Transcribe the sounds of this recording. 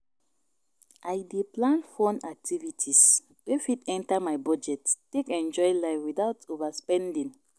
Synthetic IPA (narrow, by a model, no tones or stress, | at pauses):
ʔajdeplãnfɔ̃nak̚tʰivitʰis | wefidɛ̃ntamaɪbɔd͡ʒɛtːekɛ̃nd͡ʒɔɪlaɪfwiθaʊtovaspɛ̃ndĩŋ